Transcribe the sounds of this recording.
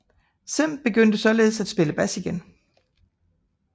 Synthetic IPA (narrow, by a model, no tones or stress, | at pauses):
sem̰b̥e̝ɡ̥øn̰d̥əsɒ̽le̝ːð̞̩ˠsæd̥sb̥e̝ləb̥æsiɡ̥en